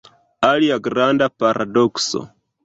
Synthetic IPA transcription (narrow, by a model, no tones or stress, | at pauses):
aliaɡɾandapaɾʔa̰dokso̰